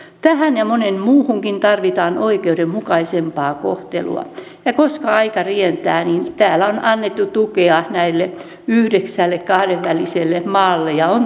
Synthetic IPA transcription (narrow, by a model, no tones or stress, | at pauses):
t̪æhænjɑmonemmuːhuŋkint̪ɑrʋit̪ɑːnʔoikeudemmukɑisempɑːko̰ht̪ḛlṵɑ̰ | jɑkoskɑɑikɑrient̪æːnint̪æːlæonɑnːet̪ːut̪ukeɑnæilːe | yhdeksælːekkɑhɾeʋʋæliselːemɑːlːejɑon